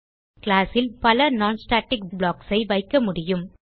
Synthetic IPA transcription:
kɪlaːsɪlpɐlɐnaːnsʈaːʈːɪk̚bɭaːksɐɪʋɐɪkːɐmʊɽɪjɯm

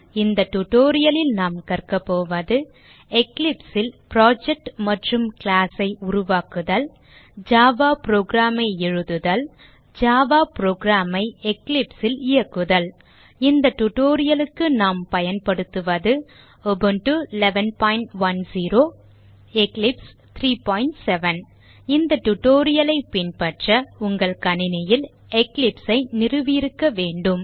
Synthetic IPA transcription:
ɪnd̪ɐʈːʊʈːoːɾɪjɐlɪlnaːmkɐrkɐpːoːʋɐðɯ | ɛklɪpsɪlpɾaːd͡ʒɛk̚ʈmɐʈrɯmkɪlaːsɐɪʊɾʊʋaːkɯðɐl | d͡ʒaːʋaːpɾoːɡɾaːmɐɪɛɻɯðɯðɐl | d͡ʒaːʋaːpɾoːɡɾaːmɐɪɛklɪpsɪlɪjɐkːɯðɐl | ɪnd̪ɐʈʊʈːoːɾɪjɐlɯkːɯnaːmpɐjɐnpɐɽɯt̪ːɯʋɐðɯ | ɔbɯnʈɯɪlɛʋɐnpaːɪɳʈʋɐnsiːɾoː | ɛklɪps | t̪ʰɾiːpaːjɪɳʈsɛʋɐn | ɪnd̪ɐʈʊʈːoːɾɪjɐlɐɪpɪnpɐʈrɐʊŋɡɐɭkɐnɪnɐjɪl | ɛklɪpsɐɪnɪrɯʋiɾɯkːɐʋeːɳɖɯm

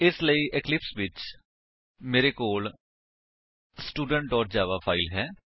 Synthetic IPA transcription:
ɪsləiːʔɪklɪpsʋɪt͡ʃ | meːɾeːkoːl | sʈuːɖəɳʈ̚ɖɔːʈd͡ʒaːʋaːpʰaːilɦɛː

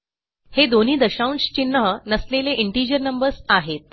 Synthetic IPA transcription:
hed̪on̤iːd̪əɕauɳst͡ɕinːəɦənəsleleʔiɳʈid͡ʑəɾnəmbəɾsaɦet̪̚

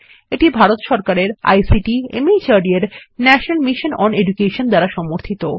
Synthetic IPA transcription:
eʈibʱaɾot̪ʃɔɾkaɾeɾa̰jsiʈiḛmit͡ɕaɖieɾnɛʃonalmiʃonɔned͡ʑukeʃond̪aɾaʃɔmoɾt̪ʰit̪o

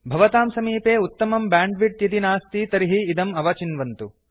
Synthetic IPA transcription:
bʱɐʋɐt̪aːmsɐmiːpeːut̪ːɐmɐmbaːɳɖʋiʈ̚t̪jɐt̪inaːst̪it̪ɐɾiɦiːd̪ɐmɐʋɐt͡ʃinʋɐnt̪u

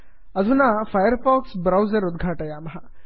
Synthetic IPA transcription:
ɐzʱunafɐjəɾfɔːksbɾawzɐɾud̪̚ɡʱaːʈɐjaːmɐɦɐ

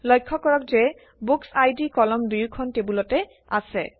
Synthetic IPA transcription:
lɔjkʰːɔkɔɹɔkzɛ | buksajdikɔlɔmdujukʰɔntebulɔtɛ | a̰sɛ

